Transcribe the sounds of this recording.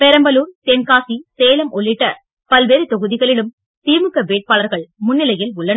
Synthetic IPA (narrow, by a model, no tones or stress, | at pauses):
pɛɾɐmbɐluːɾt̪ɛnkaːsiseːlɐmɔɭːɪʈːɐ̰ | pɐlʋeːɾɯt̪ɔɣɯðɪɣɐɭɪɽɯm | t̪iːmɯkːɐʋeːʈ̚paːlɐɾɣɐɭmʊnːɪlɐjɪlʊɭːɐn